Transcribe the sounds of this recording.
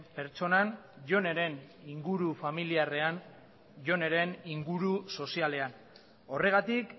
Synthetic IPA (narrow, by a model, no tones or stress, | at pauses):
pe̞ɾt͡so̞nanʝo̞ne̞ɾe̞niŋɡuɾufamiliare̞an | ʝo̞ne̞ɾe̞niŋɡuɾuso̞siale̞an | o̞re̞ɣat̪ik